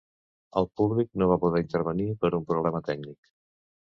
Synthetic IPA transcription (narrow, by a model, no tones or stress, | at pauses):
əlˠpuβlik̚noβ̞apuðɛint̪əɾβənipəɾumpɾuβlɛmət̪ɛknik